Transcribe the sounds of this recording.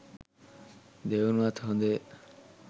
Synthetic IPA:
d̪eunat̪ʰɦɔ̃nd̪e

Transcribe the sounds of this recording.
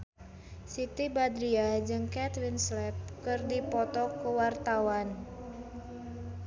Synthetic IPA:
sit̪ibad̪ɾiad͡ʒɨŋkɛt̪ɾinslɛp̚kɨrdipɔt̪ɔkəwart̪awan

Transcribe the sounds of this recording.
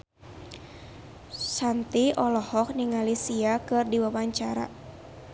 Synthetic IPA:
sant̪iʔɔlɔhɔk̚niŋalisiakɨrdiwawaɲt͡ʃaɾa̰

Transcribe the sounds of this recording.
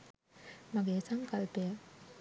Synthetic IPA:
mɐɡeːsɐŋkɐlpejɐ

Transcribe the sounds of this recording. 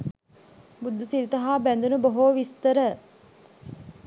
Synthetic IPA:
bud̪ːusiɾit̪ɐɦaːbænd̪unəboɦoʋist̪əɾə

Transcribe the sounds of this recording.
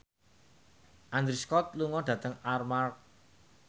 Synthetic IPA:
ʔand̪ɾiskɔt̪̚luŋɔd̥ä̤t̪əŋarmark

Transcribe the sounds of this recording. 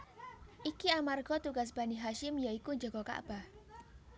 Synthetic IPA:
ʔikiamarɡɔt̪uɡas̬b̥aniɦaʃɪmjaikud͡ʒɔɡɔka̰ʔb̥ah

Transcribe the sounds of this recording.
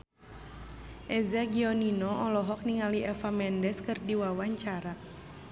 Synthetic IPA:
ʔɛzaɡiɔninɔʔɔlɔɦɔk̚niŋaliɛfamɛndɛskɨrdiwawaɲt͡ʃaɾa

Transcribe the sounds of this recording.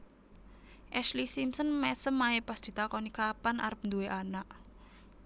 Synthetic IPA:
ʔɛslisimsənmɛsəmːaepasd̪̥i̤t̪akɔnikapana̰ɾəp̚nd̪ueʔanaʔ

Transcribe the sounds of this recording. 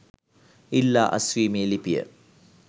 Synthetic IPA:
ilːa̰ːʔɐswiːmilipijə̰

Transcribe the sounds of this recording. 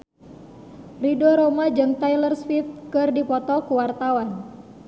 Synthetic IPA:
ridoɾomad͡ʒɨŋt̪ajlərspif̚kɨrdipɔt̪ɔkuwart̪awan

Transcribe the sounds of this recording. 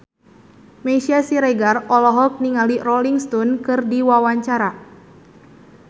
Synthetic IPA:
mesiasiɾɛɡarɔlɔɦɔk̚niŋalirɔliŋst̪ɔnkɨrdiwawaɲt͡ʃaɾa

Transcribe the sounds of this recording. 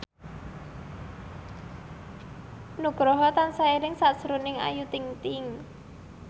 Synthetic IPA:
nuɡ̥ɾɔɦɔt̪ansaeɾɪŋsasɾunɪŋa̰jut̪iŋt̪ɪŋ

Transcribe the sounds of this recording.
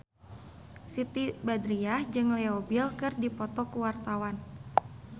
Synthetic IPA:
sit̪ibadɾiahd͡ʒɨŋlɛobilkɨrdipɔt̪ɔkuwart̪awan

